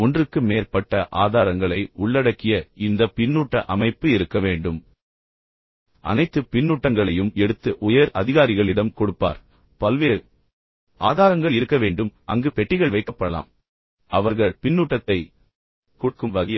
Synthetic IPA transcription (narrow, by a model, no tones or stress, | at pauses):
ɔndrɯkːɯmeːɾpɐʈːɐʔaːðaːɾɐŋɡɐɭɐɪʊɭːɐɽɐkːɪjɐɪnd̪ɐpɪnːuːʈːɐʔɐmɐɪpːɯɪɾɯkːɐʋeːɳɖɯm | ʔɐ̰nɐɪt̪ːɯpɪnːuːʈːɐŋɡɐɭɐjɯmɛɽɯt̪ːɯʔʊjɐɾɐðɪɣaːɾɪɣɐɭɪɽɐmkɔɽɯpːa̰ːɾ | pɐlʋeːɾ | ʔa̰ːðaːɾɐŋɡɐɭɪɾɯkːɐʋeːɳɖɯmʔɐ̰ŋɡɯpɛʈːɪɣɐɭʋɐɪkːɐpːɐɽɐla̰ːm | ɐʋɐɾɣɐɭpɪnːuːʈːɐt̪ːɐɪ | kuːʈ̚kɯmʋɐɣɐjɐ